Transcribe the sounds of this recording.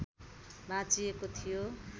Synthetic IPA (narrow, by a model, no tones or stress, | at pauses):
bãt͡sijekot̪ʰijo